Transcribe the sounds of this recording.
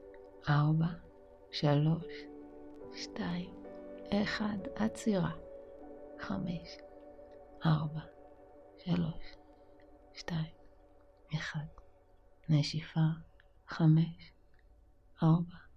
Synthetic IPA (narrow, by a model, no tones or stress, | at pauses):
ʔaʁba | ʃalo̞ʃ | ʃtaimeχadat͡siʁa | χameʃ | ʔaʁba | ʃalo̞ʃ | ʃtaim | eχad | neʃifa | χame̞ʃ | ʔaʁba